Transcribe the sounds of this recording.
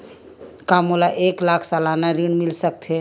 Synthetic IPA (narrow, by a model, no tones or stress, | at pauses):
kamolaʔeklakʰsalanaɾiɳmilsəkt̪ʰe